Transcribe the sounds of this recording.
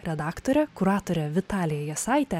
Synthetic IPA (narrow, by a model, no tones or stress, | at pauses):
ɾʲɛd̪ɑːkt̪oɾʲɛkʊɾɑːt̪oɾʲɛʋʲɪt̪ɑːlʲɪjɛjɛsɑɪt̪ʲɛ